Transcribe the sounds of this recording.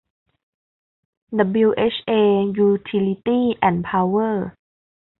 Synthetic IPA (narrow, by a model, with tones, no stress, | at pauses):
d̪ə˧˩bi˧wʔe˦˥t͡ɕʰʔeː˧juː˧t̪ʰi˧li˧t̪iː˥˩ʔɛ˨˩npʰaː˧wɤː˥˩